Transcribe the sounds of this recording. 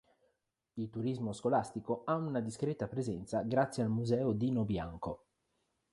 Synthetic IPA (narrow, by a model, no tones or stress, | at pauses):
ilt̪uɾizmoskolast̪ikoaunad̪iskɾɛt̪apɾezɛnt̪saɡɾat̪sːjealmuzɛːod̪inobja̰ŋko